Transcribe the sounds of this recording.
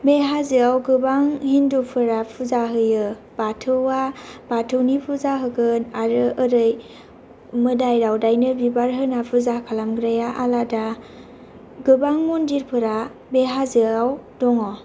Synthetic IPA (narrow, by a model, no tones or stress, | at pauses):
beɦazɯawɡɯbaŋhindupʰɯɾapʰuzaɦɯjɯ | b̥atʰɯwab̥atʰɯwnipʰuzaɦɯɡɯnaɾɯʔɯɾɯj | mɯdajɾawdajnɯbibaɾɦɯnapʰuzakʰalamɡɾajaʔalada | ɡɯbaŋmɔndiɾpʰɯɾa | beɦazɯawdɔŋɔ